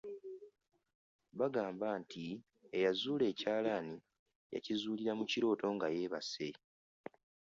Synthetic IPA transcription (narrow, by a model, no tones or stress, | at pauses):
βaɡaːmbaːntʰi | ejazuːle̞ːcaːlaːni | ja̰cizuːliɾamuciɾo̞ːto̞ŋɡaje̞ːβase̞